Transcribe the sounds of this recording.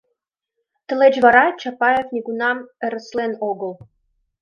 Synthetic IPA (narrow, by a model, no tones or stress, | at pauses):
t̪ə̆let͡ɕβɑɾɑt͡ɕɑpɑjefnʲiɡunɑmə̆ɾə̆slenoɣə̆l